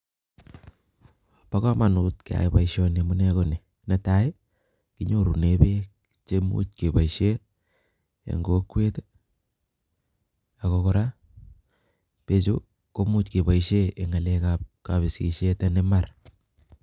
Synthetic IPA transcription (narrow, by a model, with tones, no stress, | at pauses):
pa˦ka˦ma˨nu˨tkea̰˨ipa˨iʃo˦ne˨mu˦ne˦kone˨ | ne˨taj | ki˦ɲo˦ɾu˨nebe˦k | t͡ʃe˦mṵ˦tke˨ba˨iʃe˦ | ḛ˨ŋɡo˦kwe˦t | a˨ko˦koɾa˦ | pe˨t͡ʃo˦ | ko˦mu˦tke˨ba˨iʃe˦e˨ŋa˨le˦kap̚ka˨βi˨sḭ˨ʃe˦ta˦ne˦ma˨r